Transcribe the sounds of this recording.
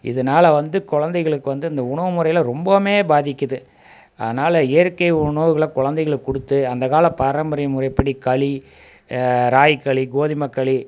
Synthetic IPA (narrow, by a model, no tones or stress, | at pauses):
ʔɪ̰ðɐnaːlɐʋɐnd̪ɯkɔɻɐnd̪ɐɪɣɐɭɯkːɯʋɐnd̪ɯɪnd̪ɐʊɳɐʋɯmʊɾɐɪɪlɐɾɔmbɐmeːbaːðɪkʲːɐðɯ | ʔɐ̰ðɐnaːlɐɛjɐɾkɐɪʊɳɐʋɯɣɐɭɐkɔɻɐnd̪ɐɪɣɐɭkʊɽɯt̪ːɯɐnd̪ɐkaːlɐpaːɾɐmbɐɾɐjɐmʊɾɐɪpːɐɽikɐɭi | ɾaːjɪkːɐɭiɡoːðɪmɐkːɐɭi